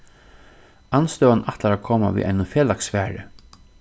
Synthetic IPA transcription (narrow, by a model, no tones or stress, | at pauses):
anst̪œːwanaht̪laɾakʰoːma̰ʋḭːʔa̰jnʊfeːlaksfæːɾɪ̰